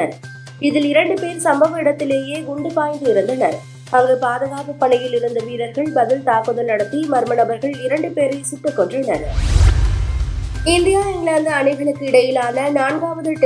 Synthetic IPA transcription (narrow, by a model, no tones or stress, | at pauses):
ɐɾ | ɪðɪlɪɾɐɳɖɯpeːɾsɐmbɐʋɐɪɽɐt̪ːɪleːjeːɡʊɳɖɯpaːjnd̪ɯɪɾɯnd̪ɐnɐɾ | ɐʋɐɣɯpaːðɐɣaːpɯpːɐɳɐjɪlɪɾɯnd̪ɐʋiːɾɐɾɣɐɭbɐðɪlt̪aːpɯðɐlnɐɽɐt̪ːimɐɾmɐnɐbɐɾɣɐɭɪɾɐɳɖɯpeːɾɪsɪt̪ːɯkːɔɳdrɐnɐɾ | ɪnd̪ɪjaːɪŋɡlaːnd̪ɐɐnɐɪɣɐɭɯkːɯɪɽɐjɪlaːnɐnaːɳɡaːʋɐðɯʈː